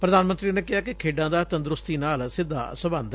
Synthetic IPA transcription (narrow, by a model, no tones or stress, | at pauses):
pɾəd̪aːnmənt̪ɾiːneːkɪɦaːkɪkʰeːɖãːd̪aːt̪ə̃nd̪ɾʊst̪iːnaːlsɪd̪ʱːa̰ːsəbənd̪